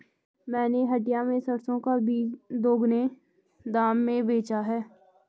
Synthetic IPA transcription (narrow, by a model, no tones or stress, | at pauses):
mɛ̃ːneɦəʈɪjamẽsəɾsõkabiːd̪oːɡne | d̪aːmːẽbeːt͡ʃaɦɛː